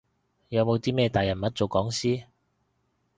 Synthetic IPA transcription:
jɐ˨˧wmo˨˧wt̪iː˥mɛː˥˧t̪aː˨jɐ˨˩nmɐ˨˥t̚t͡so˨wkɔː˨˥ŋsiː˥

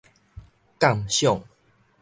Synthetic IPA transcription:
ka˥˨mɕjɔ˥˨ŋ

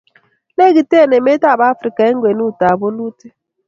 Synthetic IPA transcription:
le˦ɡi˨te˦˨ne˨me˦ta˦˨ba˦fɾi˨ka˨e˦ŋ̩˦ɡʷwe˨nu˦˨ta˨bo˦nu˦te˦

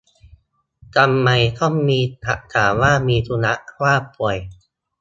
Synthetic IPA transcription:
t͡ɕa˧mːa˧jt̪ʰɔ˥˩mːiː˧t̪ʰa̰˨˩t̪ʰaː˩˦mwaː˥˩miː˧t̪ʰu˧na˦˥ʔkʰwaː˥˩pu˨˩əj

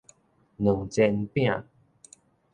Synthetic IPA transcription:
nu˨˩ŋt͡ɕɛ˧npjã˥˨

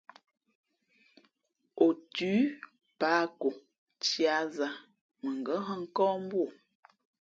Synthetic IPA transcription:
o˨tʉː˨˦ | paː˨˦ko˨ | t͡ʃja˨˦za˨ | mə˨ŋ˨ɡə˨˦ɦə˦ŋ̩˦kɔ̃ː˦m˦bwo˨

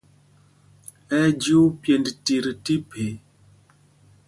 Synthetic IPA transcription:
ɛ˦d͡ʒu˦pje˨ndti˨ɾti˦pʰe˨˦

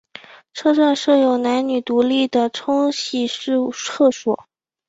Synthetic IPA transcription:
ʈ͡ʂʰɤ˥ʈ͡ʂwa˥˧nʂɤ˥˩jo˨˩ʊna˧˥nny˨˩t̪u˧˥li˥˩d̪ə˩ʈ͡ʂʰʊ˥ŋɕi˥˩ʂɻ̩ʰ˥ɤ˥˩ʂwɔ̰˨˩˦

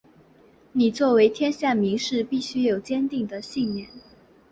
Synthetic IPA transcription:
ni˨˩t͡swɔ˥˩we˧˥ɪt̪ʰjɛ˥nɕja˥˩nmi˧˥ŋʂɻ̩˥˧pi˥˩ɕy˥jo˨˩ʊt͡ɕjɛ˥nt̪i˥˩ŋd̪ə˩ɕi˥˧nmjɛ˥˩˦n

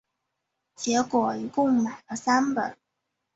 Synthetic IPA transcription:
t͡ɕjɛ˧˥kwɔ˨˩i˧˥kʊ˥˩ŋma˨˩ɪlə˦sa˥npə˨˩˦n

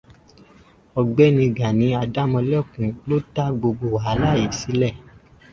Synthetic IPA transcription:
ɔ˧˨ɡ͡bɛ˨˦nĩ˧˨ɡa˨nĩ˨˧˦a˧da˦mɔ̃˧lɛ˦˨kũ˨lo˦ta˦ɡ͡bo˧ɡ͡bo˨wa˨˦la˦˨ji˨si˨˦lɛ˦˨

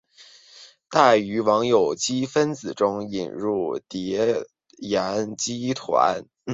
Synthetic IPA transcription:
t̪a˥˩ɪy˧˥wɑ˧˥ŋjo˨˩ʊt͡ɕi˥fə˥nt͡sɹ̩˨˩ʈ͡ʂʊ˥ŋḭ˨˩nɻu˥˩t̪jɛ˧˥ | jɛ˧˥nt͡ɕi˥t̪ʰwa̰˧˥n

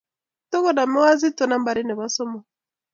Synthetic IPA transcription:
tɔ˦kɔ˦˨na˨mɛ˦wa˦zi˦tɔ˨˦na˦mba˨ɾi˦nɛ˨βa˦sɔ˦mɔ˨

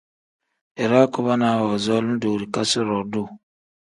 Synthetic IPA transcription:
e˨ɾa˦kɔ˦βa˦na˨wɔ˨zɔ˦l̩˦do˨ɾi˨ka˦sɪ˦ɾɔ˨do˦˨

